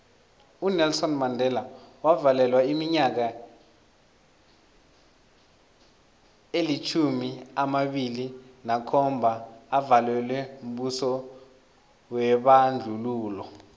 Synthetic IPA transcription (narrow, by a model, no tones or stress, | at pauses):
unɛlsɔnmandʱɛlawavalɛlwaimiɲak̬a | elit͡ʃʰumiamaɓilinakʰɔmbʱaːvalwɛlwɛum̩ɓusɔ | wɛɓand͡ɮʱuluːlɔ